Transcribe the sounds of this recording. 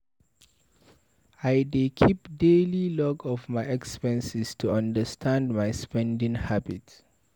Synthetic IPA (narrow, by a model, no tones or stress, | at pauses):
ajdekʰipdelilɔɡɔvmaɪɛkspɛ̃nsistʰuãndəstʰãndmaɪspɛ̃ndɪ̃ŋhabit